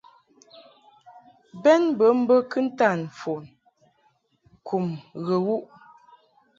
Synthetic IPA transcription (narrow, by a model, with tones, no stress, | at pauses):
bɛ˦nbə˨˦m̩˦bə˦kɨ˦n̩˦ta˦˨n˨fo˨n˨ | kʰu˨mɣə˨wu˦ʔ